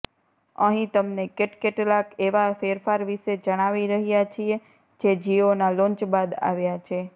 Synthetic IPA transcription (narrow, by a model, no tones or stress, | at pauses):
əɦĩt̪əmnekeʈkeʈlakeʋafeɾfaɾʋiʃed͡ʒəɽ̃aʋiɾəɦjat͡ʃʰie | d͡ʒed͡ʒionalõnt͡ʃbad̪a̰ʋjat͡ʃʰe